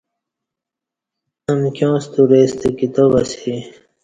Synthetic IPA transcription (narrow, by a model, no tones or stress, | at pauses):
ɐmkjõːst̪uɾeːst̪ekit̪obasi